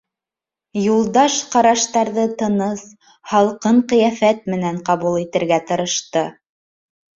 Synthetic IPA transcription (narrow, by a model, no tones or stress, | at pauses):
julˠd̪ɑʃqɑɾɑʃt̪ɑɾðɤt̪ɤ̆nɤs | hɑlˠqɤɴqɤ̆jæfæt̪̚mɘ̆næɴqɑβulˠit̪ɘ̆ɾɡæt̪ɤ̆ɾɤ̆ʃt̪ɤ